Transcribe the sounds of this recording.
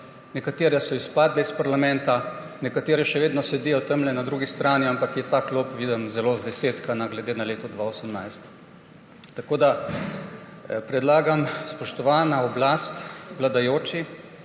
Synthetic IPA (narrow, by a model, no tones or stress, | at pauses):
nɛkat̪eːɾɛsɔispaːd̪lɛispaɾlamɛ̃nt̪a | nɛkat̪eːɾɛʃɛʋeːd̪nɔsɛd̪ijɔt̪əmlɛnad̪ɾuːɡist̪ɾaːniampakjɛt̪aːklopʋiːd̪ɛmzɛlozd̪ɛseːt̪kanaɡlɛd̪eːnaleːt̪ɔd̪ʋaosəmnajst̪ː | akoːd̪a | pɾɛd̪laːɡamspɔʃt̪ɔʋaːnaɔblast̪ʋlad̪ajoːt͡ʃi